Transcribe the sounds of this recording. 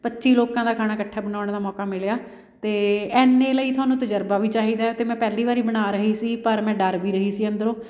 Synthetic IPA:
pətːʃiːloːkãːd̪aːkʰaːnaːkəʈʰːaːbənaːʊɽ̃eːd̪aːmɔːkaːmɪljaː | t̪eːɛːnːẽːləiːt̪ʰʊaːnũːt̪əd͡ʒəɾbaːʋiːt͡ʃaːɦiːd̪aːt̪eːmɛ̃ːpɛːliːʋaːɾiːbəɽaːɾəɦiːsiːpəɾmɛ̃ːɖəɾʋiːɾəɦiːsiːə̃nd̪əɾõː

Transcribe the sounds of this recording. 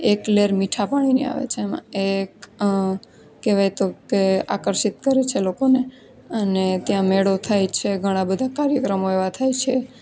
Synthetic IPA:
ekleɾmiʈʰapaɽ̃inḛa̰ʋḛt͡ʃʰeːmã̰ek | keʋajt̪okea̰kəɾʃit̪kəɾet͡ʃʰelokone | ənet̪jãmeɽot̪ʰajt͡ʃʰeɡʱəɽ̃ãbəd̪ʱakaɾjəkɾəmoeʋat̪ʰajt͡ʃʰe

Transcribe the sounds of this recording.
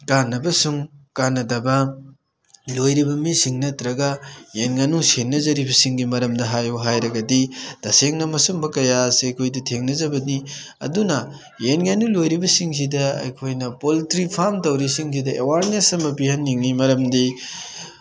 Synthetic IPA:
kanːɐbɐsuŋkanːɐdɐbɐ | lojɾibɐmisiŋnɐtɾɐɡɐjenɡanusenːɐzɐɾibɐsiŋɡimɐɾɐmdɐɦajuɦajɾɐɡɐdid̥ɐseŋnɐmɐsumbɐkɐjaseɐjkʰojdutʰeŋnɐzɐbɐni | ɐ̰dunɐ | jenɡanulojɾibɐsiŋs̬idɐɐ̰jkʰojnɐpolitɾipʰaɾmtɐwɾisiŋsidɐʔewaɾnesɐmɐpihɐnːiŋnimɐɾɐmdi

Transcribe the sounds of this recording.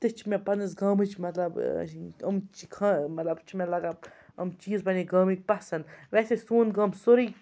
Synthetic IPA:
t̪ɨt͡ʃʰmẽpɐnɨsɡɐːmɨt͡ʃʰmɐt̪lɐb̰ɐ̰mt͡ʃikʰamɐt̪lɐbt͡ʃʰmẽlɐɡaɐmt͡ʃiːzbɐniɡaːmik̚pɐsɐnʋeːsesuːnɡɐːmsʊɾiː

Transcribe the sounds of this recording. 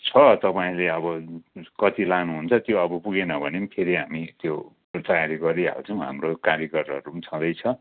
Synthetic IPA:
t͡sʰʌt̪ʌpaĩleʌβʌkʌt̪ilanuɦunt͡sʰʌt̪joʌbʌpuɡenʌbʱʌnempʰeɾiɦamit̪jo | t̪ʌjaɾiɡʌɾiɦa̰wt͡sʰʌw̃ɦa̰mrokaɾjʌkʌrʌɾumt͡sʰʌ̃d̪ʌjt͡sʰʌ

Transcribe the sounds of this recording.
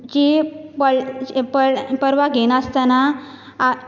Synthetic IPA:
d͡ʑipəɭpəpəɾʋaɡʱenaəst̪ana

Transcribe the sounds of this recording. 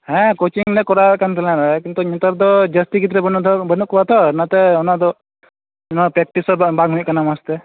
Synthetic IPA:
hɛ̃kot͡ʃiŋnɛkɔɾakant̪ɛlɛ̃ɾakint̪ɔɲɔt̪ɔɾd̪ɔd͡ʒəst̪iɡit̪̬ɾɛbnbənuʔkɔat̪ʰɔnat̪ɛɔnad̪ɔ | napɾɛk̚ʈisɔɾbaɡɦuɲʔkanamast̪ɛ

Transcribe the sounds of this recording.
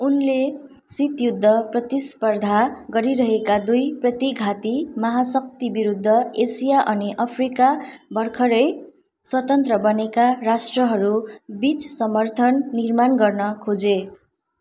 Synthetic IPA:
unle | sit̪jud̪ʱːʌprʌt̪ispʌrd̪ʱaɡʌɾiɾʌɦekad̪ujprʌt̪iɡʱat̪imʌɦasʌk̚t̪ibiɾud̪ʱːʌesijaʔʌniʔʌpʰrikabʱʌrkʰʌɾʌj | swʌt̪ʌnt̪rʌbʌnekaɾasʈrʌɦʌɾubit͡ssʌmʌrt̪ʰʌnːirmanɡʌrnʌkʰod͡ze

